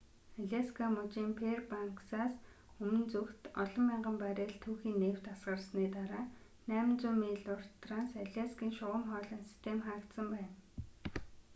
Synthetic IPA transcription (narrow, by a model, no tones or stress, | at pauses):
aɮʲaskʰamʊt͡ɕiːmpʰerpaŋksaːs | ɵmɘ̆nt͡sukt̪ɔɮɞ̆mːiɴɢə̆mpæɾʲeːɮt̪ʰuːxiːnːeːw̥t̪asɢə̆rsniːt̪aɾaː | næːmɪ̆nt͡suːmiːɮʊr̥t̪ransaɮʲaskiːŋʃʊʁə̆mχɔːɮə̆ːnsi̥st̪ʰemχaːkt̪sə̆mpæːn